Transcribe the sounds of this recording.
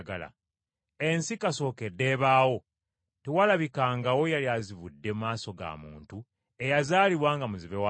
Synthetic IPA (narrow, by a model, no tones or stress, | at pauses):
ɡa̰la̰ | e̞nsikaso̞ːke̞dːe̞ːβaːwo̞ | tewalaβikaːŋɡawo̞jaliazivudːe̞mumaːso̞ɡa̰mṵːntu | e̞jazaːliβwaːŋɡamuziβewa